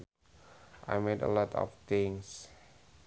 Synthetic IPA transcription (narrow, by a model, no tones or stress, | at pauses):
ʔa̰jmedə̰lɔtʰɔ̰ft̪ɪ̃ŋs